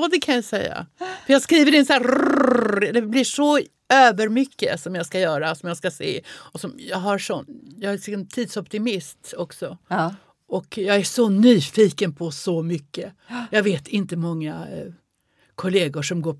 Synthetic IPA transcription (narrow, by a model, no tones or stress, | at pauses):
d̪ɛkʰanjasɛ̰jːa̰fœɾjɑːɡskɾiːvəɾɪnsæ | d̪ɛblɪʂɔ | øːvəɾmʏkːə̰sɔmjɑskajœːɾasɔmjaskasḛːɔsɔmjɑːɡɦaɾʂɔnjɑːant̪ʰiːd̪sɔpt̪ɪmɪst̪ɔksɔ | ɔkjɑːɡæʂɔnyːfiːkənpʰɔsɔmʏkːəjɑːɡveːt̪ʰɪnt̪əmɔŋːa | kʰʊleːɡʊʂɔmɡoː